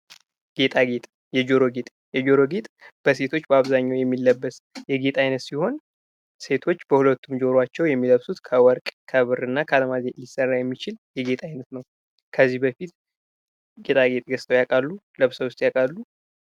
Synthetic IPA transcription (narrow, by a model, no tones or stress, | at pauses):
ɡ̥e̞t̪ʼaɡet̪ʼ | jɛd͡ʒo̞ɾo̞ɡe̞t̪ʼ | jɛd͡ʒo̞ɾo̞ɡet̪ʼb̥əse̞t̪ʰo̞t͡ʃːbəaβzaɲːawjɛmːilːəbːəsjɛɡe̞t̪ʼajnət̪siho̞n | se̞t̪ʰo̞t͡ʃːbəhulət̪ːumd͡ʒo̞ɾwat͡ʃːɛwjɛmːiləβsut̪kʰəwɔɾkʼkʰəβɨrɨnːakʰəaləmazelisːərːajɛmːit͡ʃɪljɛɡe̞t̪ʼajnət̪nəw | kʰəzːihbəfit̪ | ɡe̞t̪ʼaɡe̞t̪ʼɡəst̪ʰəwjakʼalːuləβsəwʊst̪ʼjakʼalːu